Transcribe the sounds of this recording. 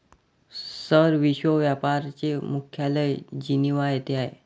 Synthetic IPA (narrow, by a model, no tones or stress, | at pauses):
səɾʋiɕʋəʋjapaɾt͡ɕemukʰjaləjd͡ʑiniʋaet̪eaɦḛ